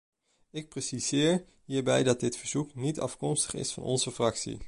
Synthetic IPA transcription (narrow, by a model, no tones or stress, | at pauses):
ɪk̚presizɪːɹ | ɦiːɹbɛjdɑt̚dɪtfəɹz̥uknitɑ̰fkɔmstə̥χɪ̰sfɑ̰nʔɔ̰nzəfrɑksḭ